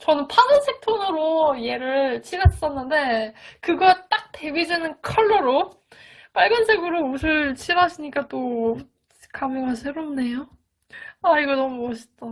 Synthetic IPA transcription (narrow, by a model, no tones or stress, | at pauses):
t͡ɕʌnɯnpʰadɯnsʰek̚tʰonɯɾoje̞ɾɯɭɭt͡ɕʰiɾas͈ʌnːɯnde̞kɯɡʌt͈ak̚te̞bid͡ʑinɯnkʰʌɭːoɾo | p͈aɭɡjʌnd͡ʑʰiɡɯɾousʰɯɭt͡ɕʰiɾaɕʰiɲik͈at͈o | kamɯŋɡasʰeɾomne̞jo | aiɡʌnʌmuʌɕʰi̥t͈ʌ